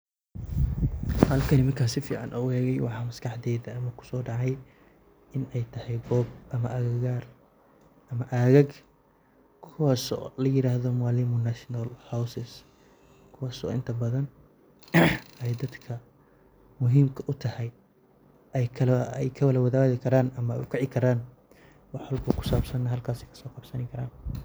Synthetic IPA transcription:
hɐlkʰɐnɪmɐŋkʰaːsɪfḭːʕɑ̰nʔɔɣɛːɣɛjwɑħɑːmɐskɑħd̪ɛːðɐɐmɐkʰʊ̥sɔːɖɑʕɑj | ɪnɛjt̪ʰɐhɛjɡɔːb̚ʔɐmɐʔɐɣɐɣaːr | ʔɐmɐʔɐɣɐɡ | kʰʊwaːsɔ̰lɐjɪɾaːhðɔmaːlimʊnaʃnɐlhawsɪs | kʰʊwaːsɔ̰ɪ̰nt̪ʰɐbɐðɐn | ɛjd̪ɐd̪kʰɐ | mʊɦiːmkʰɐʔʊt̪ʰɐhɛj | ɛjkʰɐlɛjkʰɐwɐlɐwɐðaːɣɪkʰɐɾaːnʔɐmɐɛ̰jʊkʰɛʕɪkʰɐɾaːn | wɑħɐlkʰuːkʰʊ̥saːbsɐnːɐɦɐlkʰaːsɛkʰɐ̥sɔːqɑbsɐnɪkʰɐɾaːn

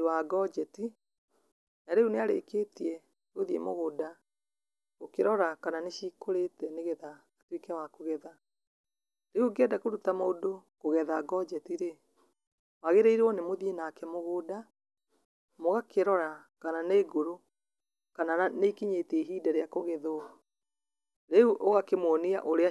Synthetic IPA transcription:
ewaɡɔd͡ʒɛti | naɾeuneaɾḛkeːtiɛ | ɣoðiḛmoɣoːda | ɣokeɾɔɾakananeʃiːkoɾetɛneɣɛðaː | twekɛwakoɣɛða | ɾeuɡɛdakoɾutamoːdokoɣɛðaɡɔd͡ʒɛtiɾe | waɣeɾeiɾeɔnemoðienakɛmoɣoːda | moɣakʰeɾɔɾakananeɡoɾo | kanaaneikiɲeːteɦiːdaɾeakoɣeðo | ɾeuʔoɣakemwɔniaʔoɾea

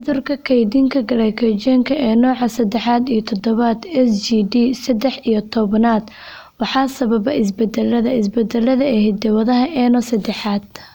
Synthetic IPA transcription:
ðʊrkʰɐkʰɛjd̪iːŋkʰɐɡɐɽɛkʰɛt͡ʃɛŋkʰɐʔɛːnɔːʕɑsɐd̪ɛħaːd̪ijɞt̪ʰɔd̪ɔβad̪ɛsd͡ʒiːɖiːsɐd̪ɛħijɞt̪ʰɔβɐnaːd̪ | wɑħɑːsɐβɐbɐɪs̬bɛd̪ɛlːɐðɐɪs̬bɛd̪ɛlːɐðɐɛhɛd̪ɐwɐðɐɦɐʔɛnɔsɐd̪ɛħaːd̪̥̚

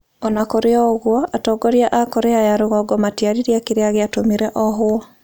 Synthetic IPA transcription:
ɔnakoɾeɔɣwɔatɔːɡɔɾjaʔakoɾeajaɾoɣɔɡɔmatjaɾiɾiakeɾeaɣeatomiɾɛʔɔɦwɔ

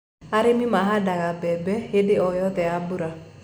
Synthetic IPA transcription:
aɾemimaɦadaɣabɛbɛedeɔjɔðɛabuɾa

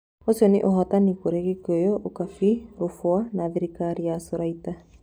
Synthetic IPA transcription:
osiɔnḛʔoɦɔtanikoɾeɣekojɔʔokafiɾofwanaːðiɾikaɾiasoɾaita

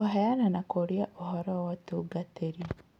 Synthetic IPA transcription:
aɦajananakoɾjaʔohɔɾɔwatuɡateɾi

